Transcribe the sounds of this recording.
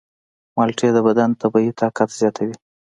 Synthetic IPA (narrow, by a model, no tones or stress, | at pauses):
mɑlʈ͡ʂed̪əbad̪ant̪abɑit̪ʰɑkat̪z̥jɑt̪ʰawi